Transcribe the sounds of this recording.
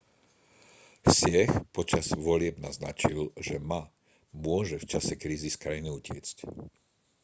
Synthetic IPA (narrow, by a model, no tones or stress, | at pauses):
sɪɛxpɔt͡ʃaz̥ʋɔlɪɛbna̰zna̰t͡ʃilʒɛma | mʊɔʒɛft͡ʃasɛkɾiːziskɾajiniucɪɛ̰t͡sc